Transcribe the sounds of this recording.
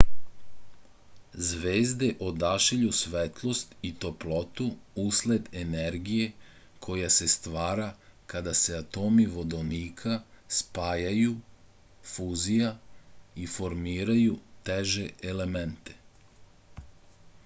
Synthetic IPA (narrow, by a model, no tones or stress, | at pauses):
zʋeːzd̪e̞ʔod̪aʃiʎusʋet̪lˠo̞st̪it̪o̞plo̞t̪uusled̪eneɾɡije̞ | kʰo̞jase̞st̪ʋaːɾakad̪aseat̪o̞ːmiʋo̞d̪oniːkʰaspaːjaju | fuːzijaifo̞ɾmiːɾajut̪eʒe̞ʔele̞ment̪e̞̥